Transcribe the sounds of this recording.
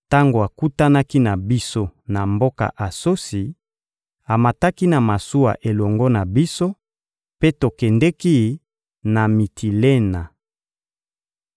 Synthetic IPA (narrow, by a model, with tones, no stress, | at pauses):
ta˦ŋɡo˨a˨ku˦ta˦na˦ki˦na˨bi˦so˦na˨mbo˦ka̰˨ʔa˨so˦si˨ | a˨ma˨ta˦ki˦na˨ma˨su˦wa̰˨ʔe˨lɔ˨ŋɡɔ˦na˨bi˦so˦ | pe˦to˨kɛ˨ndɛ˦ki˦ | na˨mi˨tʰi˨le˦na˨